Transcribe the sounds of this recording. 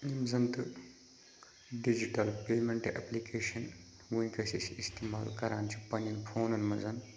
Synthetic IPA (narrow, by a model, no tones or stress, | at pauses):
nimzɐnt̪ɨ | ɖid͡ʒiʈɐlpeːmeɳʈḛplikeːʃɐn | ɡuĩkɐsisist̪eːmaːlkɐɾaːnt͡ʃʰipɐnɐnpʰoːnɐnmɐzɐn